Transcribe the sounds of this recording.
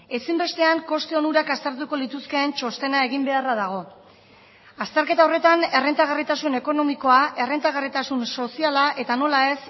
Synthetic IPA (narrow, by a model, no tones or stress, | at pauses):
e̞simbe̞st̪e̞aŋko̞st̪eonuɾakast̪eɾt̪̬uko̞lit̪uskeːnt͡ʃo̞st̪e̞nae̞ɣimbe̞araðaɣ̞o̞ | ast̪eɾke̞t̪ao̞re̞t̪ane̞rent̪aɣ̞arit̪asune̞ko̞no̞miko̞aʔe̞re̞nt̪aɣarit̪asunso̞sialaʔe̞t̪ano̞lae̞s